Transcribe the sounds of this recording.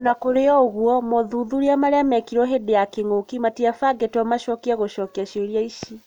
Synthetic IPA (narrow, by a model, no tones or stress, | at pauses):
nakoɾeɔoɣwɔmoðuðuɾiamaɾeamɛkiɾwɔɦedejakeŋokimatiafaɡetɔmaʃɔkiaɣoʃɔkiaʃeɾiaiʃi